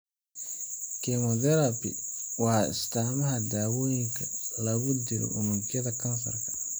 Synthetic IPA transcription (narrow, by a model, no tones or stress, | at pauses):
kʰɛmɔdɛɾɐbɪ̰wɑːɪ̰st̪ʰaːmɐɦɐd̪aːwɔːjɪŋkʰɐlɐɣʊd̪ɪlɔ̰ʔʊmuɡjɐðɐkʰɐnfɐrkʰɐ̥